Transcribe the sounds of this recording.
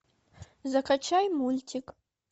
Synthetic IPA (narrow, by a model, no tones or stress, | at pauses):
zɐkʰɐt͡ʃʰajmultʰikʼ